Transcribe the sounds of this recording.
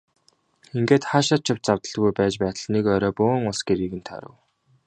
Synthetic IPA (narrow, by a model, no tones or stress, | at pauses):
iŋɡeːt̪χaːʃat͡ɕʰɪ̆w̥t͡ɕt͡sawt̪ə̆ɮɣujpæːt͡ɕpæːt̪ə̆ɮnekœːɾɔːpʊːŋʊɮsɡeɾiːɣɘ̆nt̪ʰa̰ɾə̰̆w